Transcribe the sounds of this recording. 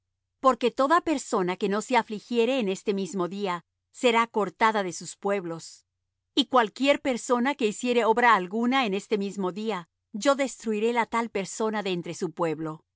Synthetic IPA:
po̞ɾke̞t̪o̞ðape̞ɾso̞nake̞no̞se̞aflixje̞ɾe̞ːne̞st̪e̞mizmo̞ðia | se̞ɾako̞ɾt̪aðaðe̞suspwe̞βlo̞s | ikwalkje̞ɾpe̞ɾso̞nake̞isje̞ɾe̞o̞βɾaːlɣunaene̞st̪e̞mizmo̞ðia | d͡ʒo̞ðe̞st̪ɾuiɾe̞lat̪alpe̞ɾso̞naðe̞nt̪ɾesupwe̞βlo̞

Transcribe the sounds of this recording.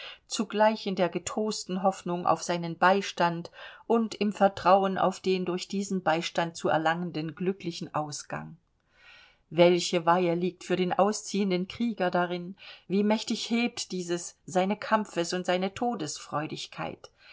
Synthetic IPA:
t͡suɡlaɪçɪndeːɐɡətʁoːstn̩ɦɔfnʊŋʔa̰ʊfz̥aɪnənbaɪʃtantʔʊntɪmfɛɐtʁ̥aʊəna̰ʊfd̥eːndʊɐçd̥iːzn̩baɪʃtant̚t͡suːɛ̰ɐlaŋəndənɡlʏklɪçn̩ʔaʊsɡ̥a̰ŋ | vɛlçəvaɪəliːk̚tfyːɐɾeːnʔaʊst͡siːəndənkʁ̥iːɡɐdaʁɪnviːmɛçtɪçheːp̚td̥iːzəsz̥aɪnəkʰamfəsʊntz̥aɪnətʰoːdəsfʁ̥ɔʏdɪçkʰa̰ɪt

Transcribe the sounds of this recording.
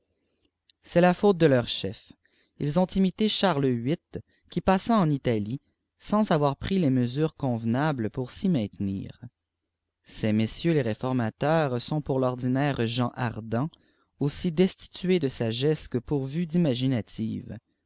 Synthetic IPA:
sɛlafoːt̪̚d̪əlœʁʃɛf | ilzɔ̃t̪imit̪eʃaʁlɥit̪̚ | kʲipasãɑ̃nit̪ali | sɑ̃zavwaʁpχilɛməzyːʁkɔ̃vnabləpuʁsimɛ̃t̪nḭːʁ | sɛmesjøleʁefɔʁmat̪œːʁsɔ̃puʁlɔʁd̪inɛːʁʒɑ̃ʔaʁd̪ɑ̃ | osid̪ɛst̪i̥t̪ɥed̪əsaʒɛskəpuʁvyd̪imaʒinat̪ʰḭːv

